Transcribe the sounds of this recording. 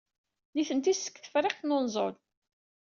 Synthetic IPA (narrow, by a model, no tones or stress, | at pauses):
niθənt̪isə̥kːθə̥fɾˤeqθnonzˤo̰l